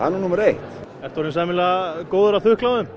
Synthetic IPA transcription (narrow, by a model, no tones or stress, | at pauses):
a̰nunumɛɾejht̪ | ɛft̪ɔɾɪnsamɪlakoːwðʏɾaθʏhklawðʏm